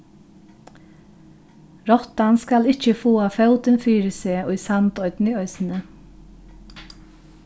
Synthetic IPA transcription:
ɾɔt̪anskɑlɪc͡çəfoːɑfœʊt̪ɪnfyːɾəseːʊɪsɑnt̪œʏt̪n̩iːœʏsn̩ə

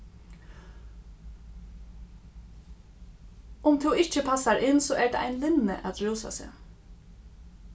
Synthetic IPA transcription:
ʊmt̪ʰɛwɪht͡ʃəpʰasaɹʔɪnsɔʔɛɹd̪a̰a̰jnlɪnːə̰ʔa̰t̪ɹuːsa̰sɪ̰ː

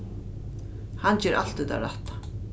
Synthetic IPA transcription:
hant͡ɕɛɾʔa̰l̥t̪ʏt̪a̰ɾaht̪ḁ

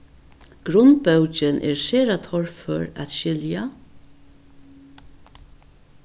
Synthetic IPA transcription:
ɡ̥ɾʊnbœwt͡ʃɪnʔɛ̰ɹseːɾat̪ʰɔɹfœɹæ̰t̪ʃɪlja

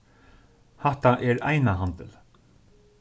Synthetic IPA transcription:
hɛht̪aʔɛɾa̰jnaɦant̪ɪ̰l

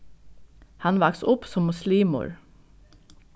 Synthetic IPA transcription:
hɑnʋɑksʊpsɔmːʊsliːmʊ̰ɹ

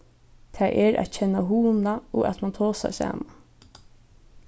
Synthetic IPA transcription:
t̪ʰɛːʔɛɾʔa̰t̪cʰɛnːaɦuːnaɔa̰t̪mant̪ʰoːsa̰ɾsa̰ːman

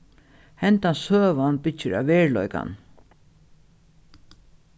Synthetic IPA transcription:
hɛnt̪ansøːʋanbɪt͡ʃːəɾa̰ʋɛːɹlɔjka̰n

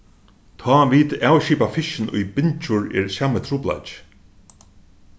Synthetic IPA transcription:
t̪ʰɑːʋiːt̪aːwʃiːpafɪʃɪnʊ̰jbɪnt͡ʃʊɹɛ̰ːɹsaːmət̪ʰɾuːpla̰t͡ʃ

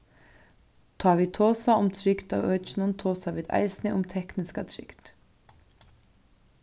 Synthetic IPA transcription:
t̪ʰɑːʋiːt̪ʰoːsaʊmt̪ʰɾʏkd̪a̰ːʋœːt͡ʃɪnʊnt̪ʰoːsaʋiːd̪a̰ɪsnɪʔʊmt̪ʰɛknɪskat̪ʰɾʏ̰kd̪̥

